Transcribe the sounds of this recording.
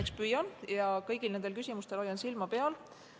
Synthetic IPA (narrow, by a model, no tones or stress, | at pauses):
ekspyjɑnjɑkɤjɡ̥ilned̪elkysʲimust̪e̞lo̞jːɑnsilmɑpe̞ɑl